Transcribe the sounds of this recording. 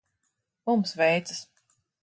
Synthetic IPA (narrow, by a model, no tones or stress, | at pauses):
mumsvɛjt̪sɨs